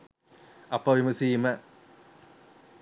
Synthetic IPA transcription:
ɐpːɐʋimɐsijmɐ

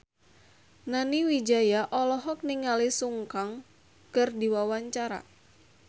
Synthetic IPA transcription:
naniwid͡ʒajaʔɔlɔɦɔk̚niŋalisuŋkaŋ | kɨrdiwawaɲt͡ʃaɾa̰

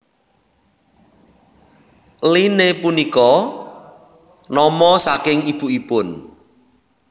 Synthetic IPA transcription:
linepunikɔ | nɔmɔsakɪŋib̥uipʊn

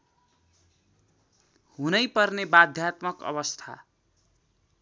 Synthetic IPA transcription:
hunʌjpʌrnebad̪ʱjat̪mʌkʌ̰bʌst̪ʰa̰

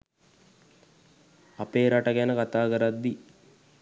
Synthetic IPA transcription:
apeːɾaʈəɡænəkat̪aːkəɾad̪ːi

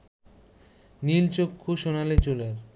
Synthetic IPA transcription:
nilt͡ɕokʰːuʃonalet͡ɕoleɾ

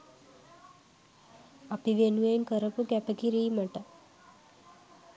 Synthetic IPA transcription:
apiʋenuenkəɾəpukɛpəkiɾiːməʈa

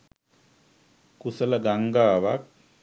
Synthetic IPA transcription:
kusələɡaŋɡaːʋak̚

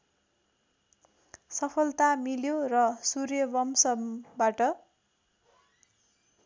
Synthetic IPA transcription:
sʌpʰʌlt̪amiljorʌsurjʌbʌmsʌmbaʈʌ

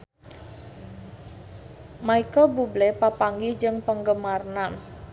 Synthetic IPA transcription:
maikəlbublɛpapaŋɡihd͡ʒɨŋpəŋɡəmarnan

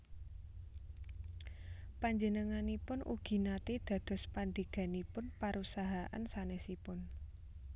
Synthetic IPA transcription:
paɲd͡ʒənəŋanipʊnʔṵɡ̥i̤nat̪ed̪̥ä̤d̪̥ɔ̤spand̪eɡ̥a̤nipʊnpaɾʔusaɦaʔa̰nsanɛsipʊn

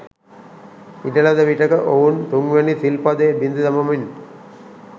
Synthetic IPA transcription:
iʈɐlɐd̪ɐʋiʈːɐkɐʔoʋunt̪uŋɡʋɐnit̪ilpɐd̪eːbind̪ud̪ɐmɐmin

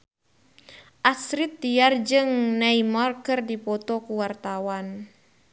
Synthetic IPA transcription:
ʔasɾit̪ːiard͡ʒɨŋnaimarkɨrdipɔt̪ɔkuwart̪awan

